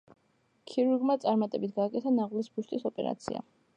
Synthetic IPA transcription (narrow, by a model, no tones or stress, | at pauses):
kʰiɾuɾɡmat̪sʼaɾmat̪ʼɛbit̪ʰɡaːkʼɛt̪ʰanaʁlisbuʃt̪ʼisɔpʼɛɾa̰t̪sʰḭa̰